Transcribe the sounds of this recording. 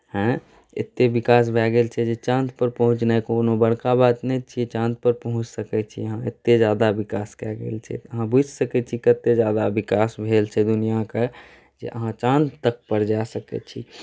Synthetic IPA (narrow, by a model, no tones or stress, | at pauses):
hɛ̃ | ḛt̪ːebikaːs̬bʱɛɡelt͡ʃʰɛd͡ʒet͡ʃãnt̪pəɾpəɦʊ̃t͡ʃnaikoːnobəɽkabat̪nɛt͡ʃʰiet͡ʃãnt̪̚pəɾpəɦʊ̃t͡ʃsəkɛt͡ʃʰḭəɦãḛt̪ːed͡ʒaːd̪abikaskɛɡḛːlt͡ʃʰɛ̰əɦãbud͡ʒsəkɛt͡ʃʰikət̪ːed͡ʒjad̪abikaːsbʱelt͡ʃʰɛd̪unijake | d͡ʒḛʔəɦãt͡ʃãnd̪t̪ək̚pəɾd͡ʒasəkɛ̰t͡ʃʰḭ